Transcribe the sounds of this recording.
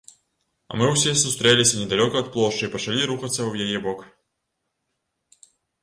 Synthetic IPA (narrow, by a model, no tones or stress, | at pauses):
ɐ̰mɨwsʲisust̪ɾɛlʲisʲɐnʲɛd̪alʲɔkɐːt̪̚plˠɔʂt͡ʂɨipɐt͡ʂɐlʲiɾuxɐt̪sːɐwjajɛbɔk